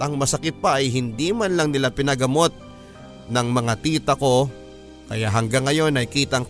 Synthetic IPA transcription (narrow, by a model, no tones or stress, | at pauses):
ʔɐŋmɐsɐkɪt̪̚pɐʔɐjɦɪnd̪imanlɐŋnɪlapɪnɐɡɐmo̞t̪̚ | nɐŋmɐŋat̪iːt̪ɐko̞ | kɐjaʔɦɐŋɡaŋːɐjo̞nɐjkiːt̪ɐŋ